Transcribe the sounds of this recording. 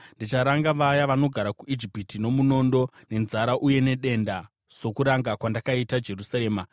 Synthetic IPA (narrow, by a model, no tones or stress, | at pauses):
ndit͡ʃaɾaŋɡaʋajaʋano̞ɡʱaɾakuʔid͡ʒipitino̞muno̞ndo̞ne̞nzaɾaʔuje̞ne̞ɗe̞nda | so̞kuɾaŋɡakwandakaitad͡ʒe̞rusaɾe̞ːma